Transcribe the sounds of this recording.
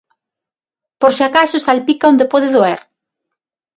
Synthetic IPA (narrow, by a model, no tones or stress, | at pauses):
poɾseakasosalpikaond̪epoðeðoeɾ